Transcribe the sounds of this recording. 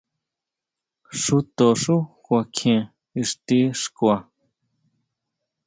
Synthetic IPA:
ʂu˧t̪o˨ʂu˦kʷa˧kʰẽ˨ | i˧ʂt̪i˦ʂkwa˨

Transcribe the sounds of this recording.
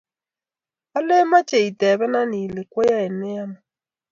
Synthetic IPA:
a˦le˦ma˦t͡ʃe˨i˨te˨bɛ˦na˦ni˨le˨kʷo˦ja˦e˨ne˦a˦ma˦˨

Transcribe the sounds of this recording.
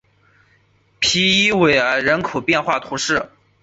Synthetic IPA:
pʰi˧˥i˥we˨˩ɪə˞˧˥ɻə˧˥nkʰo˨˩ʊpjɛ˥˧nxwa˥˩t̪ʰu˧˥ʂɻ̩˥˩

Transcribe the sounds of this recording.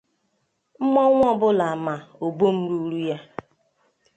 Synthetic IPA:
m̩˦mɔ˦ŋʷ˦ɔ˦bʊ˦la˨ma˨o˨bo˦m̩˦ɾu˦ɾu˦ja˦

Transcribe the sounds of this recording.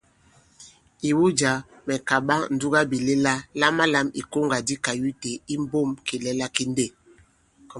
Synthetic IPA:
i˨wu˦d͡ʒa˨ | mɛ˨ka˨ɓa˦ŋn̩˨du˦ɡa˦bi˨le˦la˦la˦ma˦la˦mi˨ko˦ŋɡa˨di˦ka˨ju˦te˨i˦m˦bo˦˨mke˨lɛ˦la˦ki˦n˦de˦˨

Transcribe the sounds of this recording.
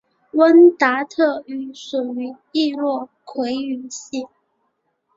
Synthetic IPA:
wə˥nt̪a˧˥t̪ʰɤ˥˩y˧˥ʂu˨˩y˧˥˦ | i˥˧lwɔ˥˩kʰwe˧˥ɪy˧˥˦ɕi˥˩

